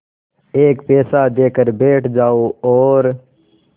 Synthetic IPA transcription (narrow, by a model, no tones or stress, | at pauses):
eːkpɛːsad̪eːkəɾbeːʈʰd͡ʒaːoɔːɾ